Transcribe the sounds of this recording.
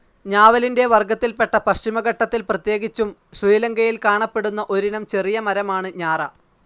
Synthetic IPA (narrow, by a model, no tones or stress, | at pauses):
ɲaːʋɐlinde̞ʋɐrɡɐt̪ːilpe̞ʈːɐpɐɕt͡ɕimɐɣɐʈːɐt̪ːilprɐt̪je̞ːɡit͡ɕːumɕriːleŋɡɐjilkaːɳɐpːe̞ɽunːɐʔo̞ɾinɐmt͡ɕe̞rijɐmɐɾɐmaːɳɨɲaːrɐ̰